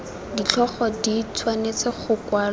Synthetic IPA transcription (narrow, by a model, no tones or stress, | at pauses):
dit͡ɬʰɔχɔdit͡sʰwanet͡sʰeχʊkwaːl